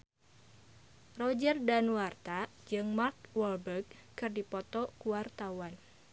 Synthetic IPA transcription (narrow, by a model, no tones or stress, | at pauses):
rɔd͡ʒərdanwart̪ad͡ʒɨŋmarkwɔlbəkːɨrdipɔt̪ɔkuwart̪awan